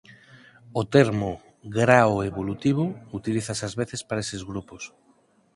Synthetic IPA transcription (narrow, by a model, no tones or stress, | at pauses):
ot̪eɾmo | ɣɾaoeβolut̪iβ̞ʊut̪iliθasazβeθespaɾaesezɣɾupos